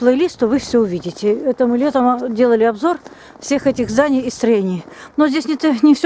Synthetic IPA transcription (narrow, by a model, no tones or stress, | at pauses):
plˠəjlʲist̪ovɨfsʲɵʊvʲidʲɪtʲɪɛt̪əmɨlʲet̪əmdʲelˠəlʲɪɐbzo̞r | fsʲe̞xɛtʲɪxzd̪anʲɪjist̪ɾɐjenʲɪjnozʲdʲesʲnʲɛt̪ənʲɪfsʲ